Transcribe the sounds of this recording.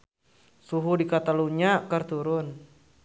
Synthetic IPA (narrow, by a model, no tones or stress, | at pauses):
suɦudikat̪aluɲakərt̪uɾʊn